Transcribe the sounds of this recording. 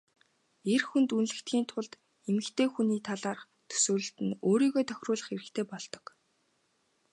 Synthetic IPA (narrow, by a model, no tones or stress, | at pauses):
erxunt̪unɮɘ̆kt̪ɡʲiːnt̪ʰʊɮt̪ | emɘ̆kt̪ʰeːxuniːt̪ʰaɮaːrχ | t̪ʰɵ̥sɵ̆ːɮɵ̆ɬt̪ɘ̆noːɾiːɣoːt̪ʰœ̥xʲrʊːɮə̆χeɾɘ̆kt̪ʰeːpɔɮt̪ɞ̥̆k